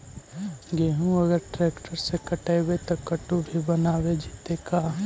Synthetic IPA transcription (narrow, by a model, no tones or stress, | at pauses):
ɡeːɦũɐɡəɾʈɾeːkʈəɾsekɐʈeːwet̪okɐʈubʱibɐnaːwed͡ʒit̪ekaː